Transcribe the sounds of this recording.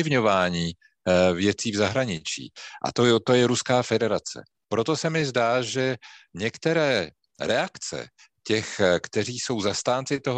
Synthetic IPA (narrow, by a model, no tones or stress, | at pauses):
ɪvɲo̞vaːɲiː | vjɛt͡siːvzaɦɾaɲɪt͡ʃḭːʔa̰t̪ot̪o̞jɛɾuskaːfɛdɛɾat͡sɛ̰ | pɾo̞t̪o̞sɛmɪzdaːʒɛɲɛkt̪ɛɾɛː | ɾɛakt͡sɛ̰ | cɛxkt̪ɛr̝iːso̞wzast̪aːnt͡sɪt̪o̞ɦo